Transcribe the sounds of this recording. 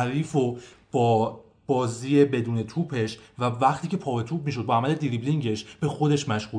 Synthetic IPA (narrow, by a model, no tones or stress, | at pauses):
ɾiːfob̥ɒː | b̥ɒːziːjebe̞d̪uːne̞t̪ʰuːpʰe̞ʃvævæχt̪ʰiːcʰe̞pʰɒːve̞t̪ʰuːb̚miːʃ̬o̞d̪̚bɒæmæle̞d̪iɾibliŋɟe̞ʃb̥e̞xo̞d̪e̞ʃmæʃɣuː